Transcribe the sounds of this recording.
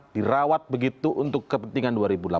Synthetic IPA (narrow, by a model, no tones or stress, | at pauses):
d̥iɾawat̪̚bəɡit̪uʔunt̪ʊkːəpənt̪iŋanduaɾibula